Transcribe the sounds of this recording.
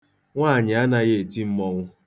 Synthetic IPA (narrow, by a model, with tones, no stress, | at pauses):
ŋʷaː˦˨ɲɪ˨a˦na˦ɣe˦e˨ti˦m̩˦mɔ˦ŋʷʊ˦